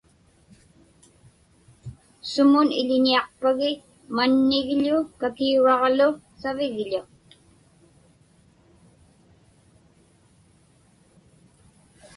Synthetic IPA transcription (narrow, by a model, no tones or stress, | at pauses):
sʊmʊnɪʎɪɲiɑqpaɣɪ | manːɪɣʎʊkakiuɣɑʁlʊ | savɪɣʎʊ